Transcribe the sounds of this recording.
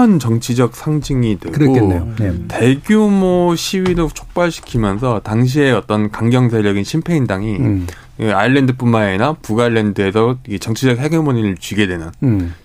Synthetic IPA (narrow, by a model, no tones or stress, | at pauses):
ʌnt͡ɕʌŋt͡ɕʰid͡ʑʌk̚s͈ʰaŋd͡ʑiŋidwe̞ɡɡote̞ɡjumoɕʰiwiɾot͡ɕʰok̚p͈aɭɕʰi̥kʰimjʌnsʰʌtaŋɕ̬ʰie̞ʌt͈ʌnkaŋɡjʌŋsʰeɾjʌɡinɕʰimpʰe̞indaŋi | aiɭːendɯp͈ummaenapuɡaɭːe̞ndɯe̞sʰʌt͡ɕʌŋt͡ɕʰid͡ʑʌk̚he̞ɡemoɲiɾɯɭt͡ɕwiɡe̞dwe̞nɯn